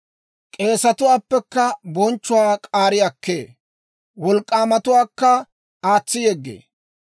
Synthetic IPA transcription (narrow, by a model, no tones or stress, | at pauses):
kʼe̞ːsɐt̪ʊwaːpːɛkːɐbɔnt͡ʃːʊwaːkʼaːɾɪjɐkːḛː | wɔlkʼːaːmɐt̪ʊwaːkːɐ | aːt͡sːɪjɛɡːḛː